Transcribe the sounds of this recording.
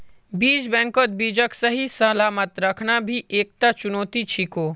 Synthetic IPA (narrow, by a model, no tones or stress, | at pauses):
biːd͡ʒbɛ̃ːŋkot̪̚biːd͡ʒəksɐɦisɐlaːmət̪ɾɐkʰnabʱiʔeːk̚t̪at͡ʃʊnoːt̪it͡ʃʰikoː